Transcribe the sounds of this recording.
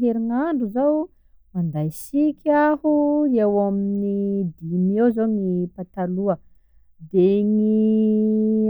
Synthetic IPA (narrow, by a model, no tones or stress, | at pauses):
eɾiŋaɳɖ͡ʐuzaw | mand̪ajsikʲʰahuewaminid̪imewzoŋipat̪aluə | d̪eŋi